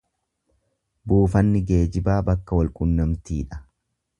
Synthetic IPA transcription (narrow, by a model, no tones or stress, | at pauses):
buːfɐnːɪɡe̞ːd͡ʒɪbaːbɐkːɐwɐlkʼʊnːɐmt̪iːᶑɐ̥